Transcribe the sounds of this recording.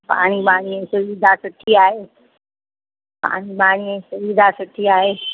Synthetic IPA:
pa̰ːñibaːɽ̃iẽsʊʋid̪ʱasʊʈʰiaːɦeː | pa̰ːñibaːɽ̃iẽsʊʋid̪ʱasʊʈʰiaːɦeː

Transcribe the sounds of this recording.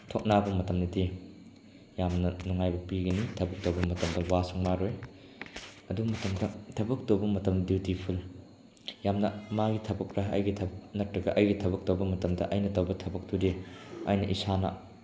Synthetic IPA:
tʰok̚nabɐmɐtɐmnɐdi | jamnɐnuŋajbɐpiɡɐnitʰɐbɐk̚towbɐmɐtɐmdɐwasuŋmaɾoj | ɐdumɐtɐmdɐtʰɐbɐk̚tobɐmɐtɐmdiwtipʰul | jamnɐmaɡitʰɐbɐkɾɐɐ̰jɡitʰɐbɐknɐtɾɐɡɐʔɐjɡitʰɐbɐk̚towbɐmɐtɐmdɐ̰ʔɐjnɐtɐwbɐtʰɐbɐk̚tudia̰jnɐʔisanɐ̰

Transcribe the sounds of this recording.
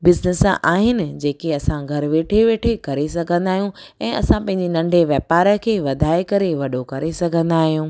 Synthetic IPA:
bɪznesʔa̰ːɦɪnɪ̆d͡ʑeːkeɐsãɡʱɐɾʊʋeːʈʰeʋeːʈʰekɐɾesɐɡʱə̃nd̪aːɦijũɛ̃ːɐsãpɐ̃ɦɪ̃ɲd͡ʑenɐ̃ɳɖʱeʋjɛːpaːɾəkʰeːʋɐd̪ʱaːekɐɾeʋɐɗokɐɾesɐɡʱə̃nd̪aːɦijũː

